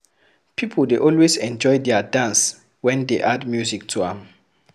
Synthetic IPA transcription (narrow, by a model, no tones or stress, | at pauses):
pʰipʰɔldeʔɔlwesɛ̃nd͡ʒɔjdɛadãns | wɛ̃ndeʔadmjuzik̚tʰuã̰m